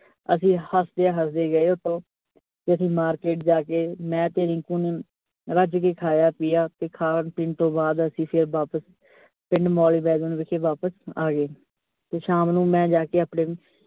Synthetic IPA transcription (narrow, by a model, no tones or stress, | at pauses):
əsĩːhəsd̪eːaːɦəsd̪eːɡəeːʊt̪ʰːõː | t̪eːəsĩːmaːɾkeːʈ̚d͡ʒaːkeːmɛ̃ːt̪eːɾɪ̃ːŋkũːneː | ɾəd͡ʒkeːkʰaːjaːpɪjaːt̪eːkʰaːnpɪɳɖt̪õːbaːd̪əsĩːpʰɪɾbaːpəs | pɪɳɖmɔːliːbɛːd̪õːnʋɪkʰeːʋaːpəsaːɡeː | t̪eːʃaːmnũːmɛ̃ːd͡ʒaːkeːaːpɳeː